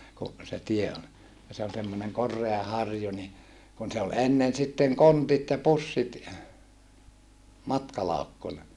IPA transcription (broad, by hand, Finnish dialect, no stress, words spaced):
ku se tie on jɑ se on semːoneŋ korˑeɑ hɑrju ni kun se ol enːen sitːeŋ kontit jɑ pusːit mɑtkɑlɑukːunɑ